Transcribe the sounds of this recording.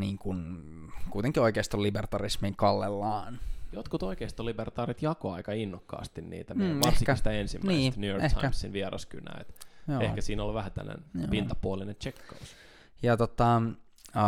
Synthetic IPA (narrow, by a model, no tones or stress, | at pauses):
niːŋkun | kuit̪eŋkioikeist̪olːibert̪ɑrismiŋkɑlːelːɑːnjot̪kut̪oikeist̪olibert̪ɑːrit̪jɑkoɑikɑinːokːɑ̰ːst̪innḭːt̪æmːʋɑesikæst̪æensimːnæisːst̪nyjoretɑkæmsːinʋiɛrɑ̰sky̰næ̰ːḛt̪joehkæsiːnolʋæhæt̪æ̰nːḛnjopint̪ɑpuolinent͡ʃekːous | jɑt̪ot̪ɑ